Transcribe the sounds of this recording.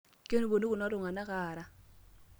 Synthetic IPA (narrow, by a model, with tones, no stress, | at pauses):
kjo˦nu˦bo˨ni˦ku˨nɔ˦tʊ˨ŋa˨na˦ka˨ɾa˦